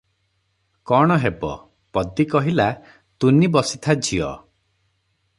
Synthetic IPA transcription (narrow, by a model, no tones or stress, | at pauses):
kɔɽ̃ɔɦebɔ̰ | pɔd̪ikɔɦila | t̪unibɔsit̪ʰad͡ʒʱiɔ̰